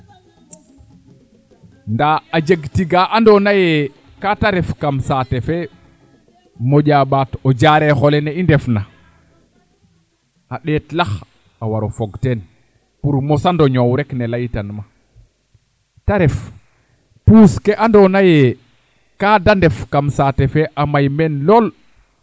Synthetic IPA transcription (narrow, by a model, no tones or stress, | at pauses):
ndaːd͡ʒeɡtiɡaʔandonaje | kataɾefkamsatefe | moɟaɓaːtoɟaɾexoleneindefna | aɗetlax | awaɾofoɡten | puɾmosandoɲowɾeknelajtanma | taɾef | puːskeʔandonaje | kadandefkamsatefeʔamajmenloːl